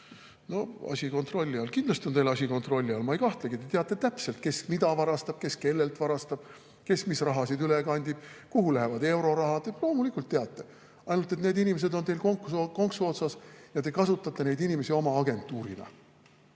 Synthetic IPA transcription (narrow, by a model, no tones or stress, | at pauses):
no̞ɑ̰sʲiko̞nt̪ro̞lʲːiɑlkind̪lɑst̪io̞nejlɑsʲiko̞nt̪ro̞lʲːiɑlmɑejkɑht̪lɑɡ̥it̪et̪eɑt̪ːˑe̞t̪æpse̞lt̪̚ke̞smid̪̥ɑvɑɾɑst̪ɑb̥ke̞ske̞lːe̞lt̪vɑɾɑst̪ɑb̥ | ke̞smisrɑɦɑsid̪ylekɑnʲd̪̥ʲib̥kuɦulæɦevɑd̪e̞wɾo̞ɾɑɦɑd̪et̪lo̞ːmulikːˑult̪ːeɑt̪ːe̞ | ɑjnult̪ːˑe̞t̪ne̞ːd̪inimes̬e̞d̪o̞nt̪e̞jlkoŋksko̞ŋksuot̪sɑsjɑt̪e̞kɑsut̪ːˑɑt̪ːˑe̞ne̞jd̪inime̞sio̞mɑɑɡe̞nt̪ːˑuːɾinɑ̰